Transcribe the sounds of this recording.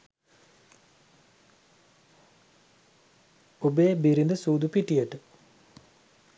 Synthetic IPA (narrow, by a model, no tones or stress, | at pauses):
obejbiɾind̪əsuːd̪upiʈijəʈə